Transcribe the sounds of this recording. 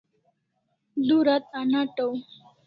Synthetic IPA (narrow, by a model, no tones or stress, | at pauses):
d̪uɾat̪̚anaʈow